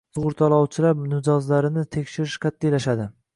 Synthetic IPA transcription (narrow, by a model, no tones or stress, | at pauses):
sʊʁʊɾt̪ʰɒlˠɒwt͡ʃʰɪlapnɪd͡ʒɒzlaɾɪnɪt̪ʰekʲʃɪɾɪʃqʰɑt̪ːijlaʃad̪ɪ